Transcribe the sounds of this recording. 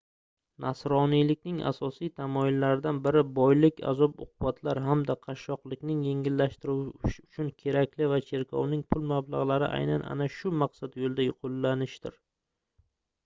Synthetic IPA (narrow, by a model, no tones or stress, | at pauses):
nʔasɾɒnijlɪkʲnɪŋa̰sɒsijt̪ʰamɒjɪlːaɾɪd̪anbɪɾɪbɒjlɪkʲʰa̰zɒpʊ̰qʊbat̪ʰlaɾɦamd̪aqʰɑʃːɒqlˠɪkʲnɪŋje̞ŋɪlːaʃt̪ɪɾuwʊ̥t͡ʃʰʊnkʲʰe̞ɾakʲlɪvat͡ʃʰe̞ɾkʰɒ̰wnɪŋpʰʊlˠmablˠaʁlˠaɾɪ̰ʔa̰jnanʔa̰naʃʊmaqsad̪jolˠd̪ajʊqʰolːanɪʃt̪ɪɾ